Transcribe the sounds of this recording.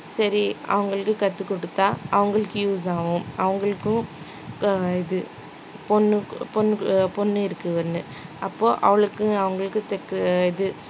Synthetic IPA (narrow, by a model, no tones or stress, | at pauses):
sɐɾiɐ̰ʋɐŋɡɐɭɯkːɯkɐt̪ːɯkːɔɽɯt̪ːaːʔɐʋɐŋɡɐɭɯkːɯjuːs̬aːʋʊ̃ɐʋɐŋɡɐɭɯkːʊ̃ | ɪðɯ | pɔnːɯpɔnːpɔnːɯɪɾɯkːɯʋɐɾnːɯ | ʔɐpːoːʔɐ̰ʋɐɭɯkːɯ̃ɐʋɐŋɡɐɭɯkːɯt̪ɛkːɪðɯ